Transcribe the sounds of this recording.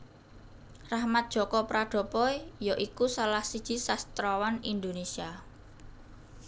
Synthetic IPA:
rahmat̪̚dʒ̥ɔ̤kɔpɾaɖ̥ɔ̤pɔijɔʔikusalahsid̥ʒ̥i̤sast̪ɾɔwanind̪onesia

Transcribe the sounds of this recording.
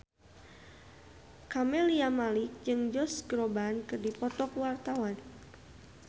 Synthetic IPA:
kamɛliamalɪk̚d͡ʒɨŋd͡ʒɔsɡɾɔbankɨrdipɔt̪ɔkwart̪awan

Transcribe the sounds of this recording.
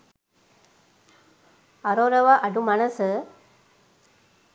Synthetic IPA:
ɐɾoːɾɐʋaʔɐɖumɐnɐsɯ

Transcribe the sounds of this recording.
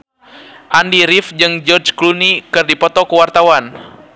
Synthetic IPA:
ʔandiɾifd͡ʒɨŋd͡ʒɔrd͡ʒklunikɨrdipɔt̪ɔkəwart̪awan

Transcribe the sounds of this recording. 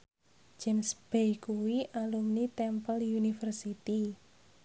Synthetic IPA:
d͡ʒɛmsb̥ɛjkuwiʔalumnit̪ɛmpəljunifərsit̪i

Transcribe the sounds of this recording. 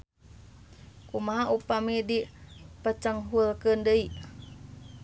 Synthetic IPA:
kumaɦaʔupamedipət͡ʃəŋɦulkəndəi

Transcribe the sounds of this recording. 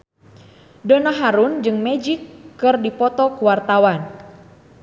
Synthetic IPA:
dənaɦaɾund͡ʒɨŋmɛd͡ʒikːɨrdipɔt̪ɔkuwart̪awan

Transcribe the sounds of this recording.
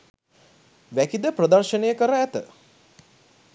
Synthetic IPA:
ʋækid̪əprəd̪ərʃənejəkəɾaæt̪ə

